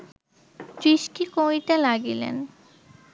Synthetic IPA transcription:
t̪ɾiʃʈikoiʈalaɡilḛn

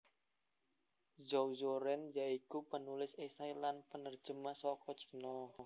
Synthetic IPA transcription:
zowzoɾɛnjaikupənulɪsesailanpənərd͡ʒəmasɔkʰɔt͡ʃə̥nɔ

